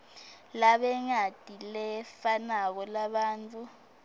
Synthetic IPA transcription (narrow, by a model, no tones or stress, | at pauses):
laɓɛŋad̥ʱilɛfanak̬ɔlaɓaːnt͡fʰʼu